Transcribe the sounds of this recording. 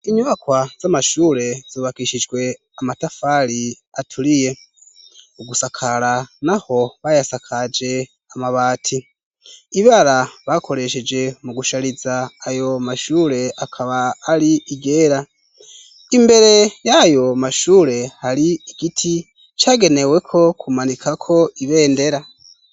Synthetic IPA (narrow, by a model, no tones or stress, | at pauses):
iɲuβakwaz̥amaʃuːɾe̞z̥uːβakiʃid͡ʒɡwe̞ | amatafaɾi | atʰuɾije̞ | uɡusakʰaɾanaho̞βajasakʰad͡ʒe̞ | amaβaːtʰi | iβaɾaβakʰo̞ɾe̞ʃe̞d͡ʒe̞muɡuʃaɾizaːjo̞maʃuːɾe̞akʰaβaːɾiiɡe̞ːɾa | imbe̞ɾe̞jajo̞maʃuːɾe̞haɾiiɡ̥itʰi | t͡ʃaːɡe̞ne̞we̞kʰo̞kʰumanikʰakʰo̞iβe̞ːnde̞ɾa